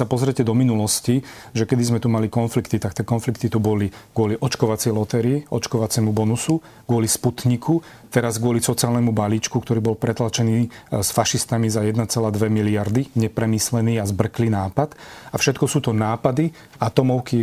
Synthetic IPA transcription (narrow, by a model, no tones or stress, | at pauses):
sapɔzɾɛcɛd̪ɔminulɔsciʒɛkɛd̪izmɛt̪umalikɔnflikt̪it̪akt̪iɛkɔnflik̚t̪it̪ubɔliɡʊɔliʔɔt͡ʃkɔʋat͡sɛjlɔt̪ɛɾiɛɔ̰t͡ʃkɔʋat͡sɛmubɔnusu | ɡʊɔlisput̪ɲikʰu | t̪ɛɾazɡʊɔlisɔt͡siaːlnɛmubaliːt͡ʃkukt̪ɔɾiːbɔlpɾɛt̪lat͡ʃɛniːsfaʃist̪amizajɛd̪nat͡sɛlaːd̪ʋɛmiliaɾd̪iɲɛpɾɛmiːslɛniːazbr̩klinaːpat̪afʃɛt̪kɔsuːt̪ɔnaːpad̪i | at̪ɔmɔʊki